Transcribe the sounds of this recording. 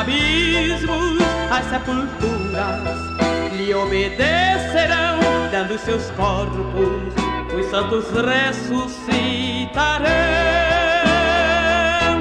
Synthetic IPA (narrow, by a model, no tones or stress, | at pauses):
abizmʊsɐssepult̪uɾɐs | lɪobed̪eseɾɐ̃w̃d̪ɐ̃nd̪ʊʊssewskɔɾpʊss | ʊsɐ̃nt̪ʊzresusit̪aɾɐ